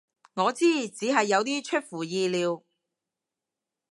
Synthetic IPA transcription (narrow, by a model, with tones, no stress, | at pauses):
ŋɔː˨˧t͡siː˥t͡siː˨˧˥ɦɐ˨jːɐ˨˧wt̪iː˥t͡ʃʰɵ˥t̚fuː˨˩jiː˧liː˨˧w